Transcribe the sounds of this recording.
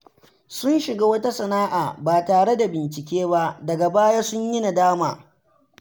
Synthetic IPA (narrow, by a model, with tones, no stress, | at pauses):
sʊ˦nʃɪ˨ɡaː˦wɐ˦ta˦sɐ˨naː˦ʔa̰ː˨baː˨taː˨ɽe˦da˨bɪ˨nt͡ʃɪ˨kʲeː˦ba˦ʔdɐ˨ɡa˨baː˦jaː˦sʊ˦ɲjɪ˦na˨daː˦maː˨